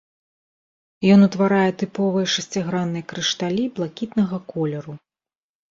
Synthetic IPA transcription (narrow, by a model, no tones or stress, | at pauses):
jɔnut̪vaɾajɛt̪ɨpɔvɨjɛʂɐsʲt͡sʲaɣɾanːɨjɐkɾɨʂt̪alʲiblˠakʲit̪nɐɣɐkɔlʲɛɾu